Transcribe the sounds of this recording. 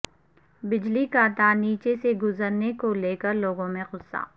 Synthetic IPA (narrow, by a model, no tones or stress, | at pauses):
bɪd͡ʒlikat̪aːniːt͡ʃeseɡʊzəɾnekoleːkəɾloːɡõmẽxʊsa̰ː